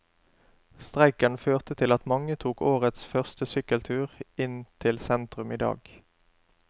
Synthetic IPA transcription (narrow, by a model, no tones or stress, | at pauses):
st̪ʁæɪkənføːʁt̪ət̪ʰɪlɑt̪mɑŋət̪ʰuːkoːʁət̪sfœʁst̪əsʏkəlt̪ʰʉːʁɪnt̪ʰɪlsɛnt̪ʁʉmiːd̪ɑ̰ːɡ